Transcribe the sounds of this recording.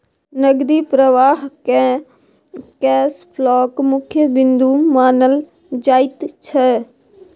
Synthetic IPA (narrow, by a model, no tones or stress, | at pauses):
nəɡd̪iːpɾəʋaːɦkɛ̃ː | kɛːspʰlɔːkmʊkʰjəbɪnd̪uːmaːnəl | d͡ʒaːit̪t͡ʃʰɛː